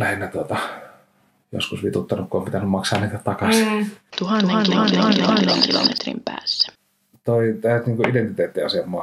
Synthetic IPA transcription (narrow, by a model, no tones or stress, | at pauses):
læhenːæt̪uot̪ɑ | jo̰skusʋit̪ut̪ːɑnukkuompit̪ænːymmɑksɑːniˑit̪ætt̪ɑkɑsit̪uhɑnːɑnɑːeŋkilo̰mḛt̪rḭmpæ̰ːsːæ̥ | t̪oit̪æˑyt̪niːŋkuident̪it̪eːt̪ːiɑ̰semːˑɑː